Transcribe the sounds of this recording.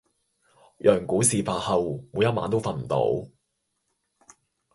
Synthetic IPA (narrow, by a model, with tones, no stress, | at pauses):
jœː˨˩ŋkuː˨˥siː˨faː˧hɐ˨wmuː˨˧jɐ˥t̚ma̰ː˨˧˥nt̪o˥wfɐ˧n̩˨˩t̪o̰˨˥w